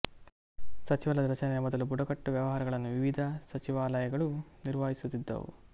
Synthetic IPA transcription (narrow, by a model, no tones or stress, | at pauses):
sɐt͡ʃiʋɐlɐd̪ɐɾɐt͡ʃɐnɛjɐmɔd̪ɐlubuɽɐkɐʈːuʋjɐʋɐɦaːɾɐɡɐɭɐnːuʋiʋid̪ʱɐsɐt͡ʃiʋaːlɐjɐɡɐɭuniɾʋaːɦisut̪ːid̪ːɐ̰ʋṵ